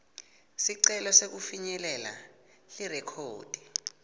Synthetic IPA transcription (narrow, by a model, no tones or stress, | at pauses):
siǀɛlɔsek̬ufiɲɛlɛla̰ | lirɛkʰoːd̥ʱi̥